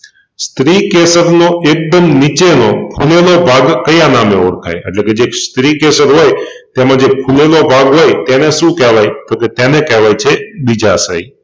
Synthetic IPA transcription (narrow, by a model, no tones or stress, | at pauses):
st̪ɾikesəɾnoek̚d̪əmnit͡ʃenopʰulelobʱaɡkəjãnameoɽkʰa̰jḛʈleked͡ʒest̪ɾikesəɾɦoj | t̪emãd͡ʒepʰulelobʱaɡɦojt̪eneʃũkɛʋajt̪oket̪enekɛʋajt͡ʃʰebid͡ʒasə̰i